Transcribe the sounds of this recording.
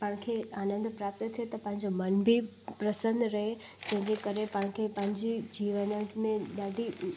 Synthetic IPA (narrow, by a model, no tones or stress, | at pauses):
pɐ̃ɦɪ̃kʰeaːnə̃nd̪ʱpɾaːp̚t̪ət̪ʰijot̪ɐpɐ̃ɦɪ̃ɲd͡ʑomɐnbʱi | pɾɐsə̃nd̪ʱɾɐɦe | d͡ʑɐ̃ɦɪ̃ɲd͡ʑekɐɾepɐɦɪ̃kʰepɐ̃ɦɪ̃ɲd͡ʑid͡ʑiːʋənəzmẽɗaːɖʱi